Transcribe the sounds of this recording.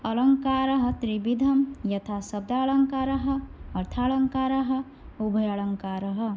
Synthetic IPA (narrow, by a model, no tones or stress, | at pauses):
ʌləŋkaɾəɦʌt̪ɾibid̪ʱəmjʌt̪ʰasʌb̚d̪aːləŋkaɾəɦʌːɾt̪ʰaɭəŋkaɾəɦʌ | ubʱəjəɭəŋkaɾəɦʌ